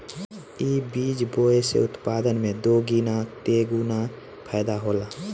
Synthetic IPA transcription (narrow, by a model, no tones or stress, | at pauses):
iːbiːd͡ʒboːesḛʊt̪paːd̪ənmẽd̪oːɡiːnat̪eɡuːna | pʰɛːd̪aɦoːlaː